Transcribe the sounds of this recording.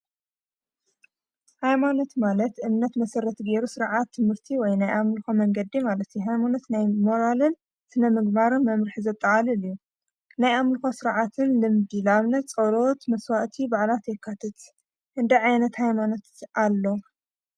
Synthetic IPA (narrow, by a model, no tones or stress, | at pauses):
hajmano̞t̪malɐt̪ʔɨmnɐt̪mɐsɐɾɐt̪ɡeɾusɨɾʕat̪ʰːɨmhɨɾt̪ʰiwɔjnajʔamlxomɐŋɡɐd̪ːimalɐt̪juɦajmanot̪najmo̞ɾalɨn | sɨnɐmɨɡ̚baɾɨmːɐmɾɨħizɐt̪ʼːɐʕalɨlɨju | najamlxosɨɾʕat̪ʰɨnlɨmd̪ilaβnɐt͡sʼɐɾot̪mɐswaʔt̪ʰibaʕlat̪jɛkʰːat̪ʰɐt̪ | ʔɨnd̪ɐʕajnɐt̪hajmano̞t̪ʔalːo̞